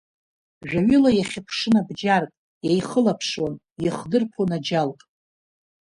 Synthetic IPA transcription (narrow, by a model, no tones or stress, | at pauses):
ʒᶣʷaɥʏlajaχʲɪpʰʂɨnabd͡ʒarkʼ | jajχəlapʰʂwan | jɪχdɨrpʰonad͡ʒalkʼ